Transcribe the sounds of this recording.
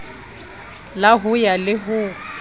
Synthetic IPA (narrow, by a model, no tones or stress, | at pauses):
laɦʊjalɪɦʊ